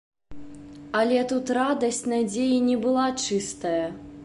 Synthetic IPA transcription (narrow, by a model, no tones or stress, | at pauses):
ɐlʲɛt̪ut̪ɾad̪ɐsʲt͡sʲnad͡zʲejinʲɛbɨlˠat͡ʂɨst̪ɐjɐ